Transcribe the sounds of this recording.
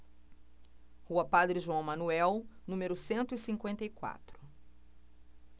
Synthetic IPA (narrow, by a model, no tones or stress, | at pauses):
huɐpad̪ɾɪʒuɐ̃w̃mɐnuɛwnũmeɾʊsẽnt̪ʊisĩŋkwẽnt̪ɐikwa̰t̪ɾʊ̥